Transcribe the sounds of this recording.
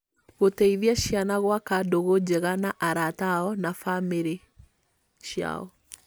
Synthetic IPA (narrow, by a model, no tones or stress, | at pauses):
ɣotɛiðjaɕjanaɣwakadoɣod͡ʑɛɣanaʔaɾataɔnafameɾe | ʃja̰ɔ̰